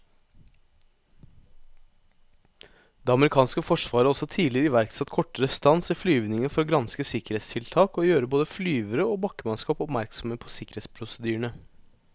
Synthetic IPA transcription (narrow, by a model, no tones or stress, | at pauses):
d̪eːɑməɾɪkʰɑːnskəfɔʂʋɑːɾəɔsɔt̪ʰiːlɪɾɪʋæɾksɑt̪kʰɔʈːəɾəst̪ɑnsɪflyːʋnɪŋəfɔɾoːɡɾɑnskəsɪkəɾeːt̪st̪ʰɪlt̪ʰɑːkoːjøːɾəboːd̪əflyːʋəɾəoːbɑkːəmɑnskɑːpɔpmæɾksɔməpʰɔ̥sɪkəɾeːt̪spʰɾʊsəd̪yːəɳə